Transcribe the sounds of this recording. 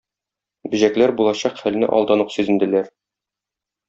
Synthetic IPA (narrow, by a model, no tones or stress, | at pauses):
bɘ̆ʑæklæɾbulˠɑɕɑqχælnɘ̰ʔɒ̰lˠd̪ɑnɤqsʉzɘ̆nd̪ɘ̆læɾ